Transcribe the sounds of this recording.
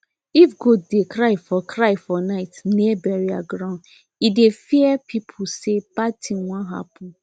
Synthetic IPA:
ifɡoddekɾaɪfɔkɾaɪfɔnaɪtniɛbɛɹiaɡɾãʊ̃n | idefiɛpʰipʰʊsepatʰĩnwãnɦa̰pɔ̃n

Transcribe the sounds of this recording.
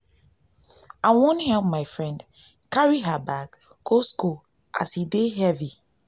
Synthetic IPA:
aɪwõnhɛlp̚maɪfɹɛ̃nd | kaɹiɦabaɡkosku | ʔa̰shideɦɛvi

